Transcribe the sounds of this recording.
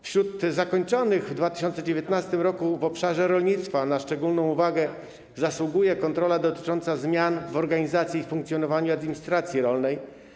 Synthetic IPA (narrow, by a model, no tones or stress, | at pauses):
fɕɾud̪zakɔɲt͡ʂɔnɘɣvd̪vat̪ɘ̥ɕ̬ɔnt̪sɛd͡ʑevʲjɛt̪nast̪ɘmɾɔkuvɔpʂaʐɛɾɔlɲit̪st̪fanaʂt͡ʂɛɡulnɔ̃w̃uvaɡɛ | zaswuɡujɛkɔnt̪ɾɔlad̪ɔt̪ɘ̥t͡ʂɔnt̪sazmʲjanvɔɾɡaɲizat̪sʲjiifuŋkt̪sʲjɔnɔvaɲuad̪mʲiɲist̪ɾat̪sʲjiɾɔlnɛj